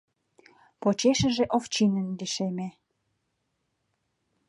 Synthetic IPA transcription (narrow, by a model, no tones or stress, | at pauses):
pot͡ɕeʃə̆ʒĕʔoft͡ɕinənd̪iʃeme